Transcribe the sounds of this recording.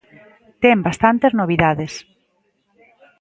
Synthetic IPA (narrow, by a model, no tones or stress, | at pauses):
t̪ɛmbast̪ant̪eznoβ̞iðaðes